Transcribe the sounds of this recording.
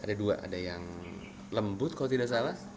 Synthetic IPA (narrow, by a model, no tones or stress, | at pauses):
adaduaʔa̰dajaŋ | ləmbʊt̪̚kalot̪idaʔs̬alah